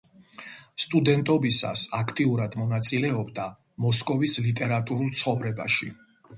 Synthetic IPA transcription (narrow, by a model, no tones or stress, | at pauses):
st̪ʼud̪ɛnt̪ʼɔbisa̰sakʰt̪ʼiuɾad̪mɔnat̪sʼilɛɔbd̪a | mɔskʼɔvislit̪ʼɛɾat̪ʼuɾulˠt̪sʰχɔvɾɛba̰ʃi